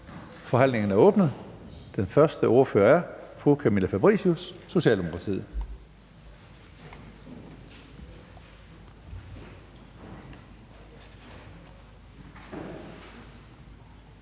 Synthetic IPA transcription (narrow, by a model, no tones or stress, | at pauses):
fɒ̽ɦæn̰le̝ŋn̩æɐɔ̽ːb̥nəð̩ˠd̥enfɶɐsd̥əʔoɐføːɐæɐfʁukʰæmilæfæb̥ʁḭsusːo̝ɕɛ̰ːld̥emo̝kʰʁɑ̈t͡sʰḭːð̩̰ˠ